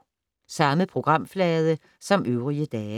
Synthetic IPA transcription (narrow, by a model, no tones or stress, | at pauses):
sɑ̈məpʰʁo̝ɡ̥ʁɑ̈m̰flɛːð̞ˠə | sɒ̽mʔøʊʁiəd̥ɛː